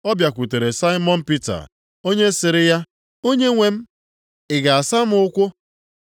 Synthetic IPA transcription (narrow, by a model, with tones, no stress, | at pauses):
ɔ˦bja˨kʷu˨te˨ɾe˨sa˦ɪ˦mɔ˦n̩˦pi˦ta̰˨ | o˦ɲe˦sɪ˨ɾɪ˦ja˦ | o˦ɲe˦ŋʷe˨m̩˦ | ɪ˨ɡa˨a˨sa˦m̩˦ʊ˦kʷʊ˦